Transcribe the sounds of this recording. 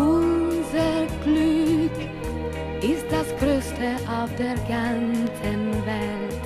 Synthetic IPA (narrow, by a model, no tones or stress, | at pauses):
ʊzəɡ̥lyk | ɪst̚d̥asɡ̥ɾøːstʰəʔaʊfd̥eːɾɡant͡sənvɛlt